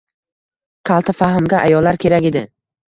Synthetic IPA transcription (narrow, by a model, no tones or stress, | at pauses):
qʰɑlˠt̪ʰɪfaɦɪmɡʲaʔajɒlːaɾkʲʰe̞ɾakʲed̪ɪ